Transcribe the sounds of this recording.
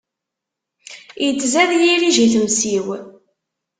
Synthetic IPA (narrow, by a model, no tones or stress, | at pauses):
jət͡sːzæðjiɾiʒiθəmsiw